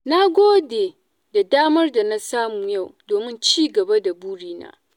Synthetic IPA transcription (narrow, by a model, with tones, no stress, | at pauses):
na˦ɡʷoː˦deː˨ | da˨daː˦mɐ˦rda˨na˦saː˦muː˨ja˦˨wdoː˨mɪ˦nt͡ʃiː˦ɡɐ˨ba˦da˨buː˦ɽiː˦na̰ː˦